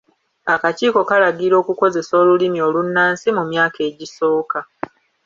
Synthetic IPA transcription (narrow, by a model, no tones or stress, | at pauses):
akaciːko̞kalaɡiɾo̞ːkuko̞ze̞so̞ːlulimio̞lunːaːnsimumjaːke̞ːɟiso̞ːka